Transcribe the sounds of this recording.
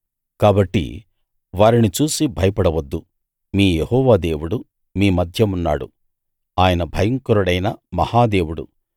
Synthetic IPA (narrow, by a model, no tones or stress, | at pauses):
kaːbɐʈːḭ | ʋaːɾinit͡ʃuːsibʱɐjɐpɐɽɐʋɐd̪ːu | miːjehɔːʋaːd̪e̞ːwuɽu | miːmɐd̪ʱjɐmunːa̰ːɽṵ | aːjɐnɐbʱɐjɐŋkuɾuɽɐjnɐmɐhaːd̪e̞ːwuɽṵ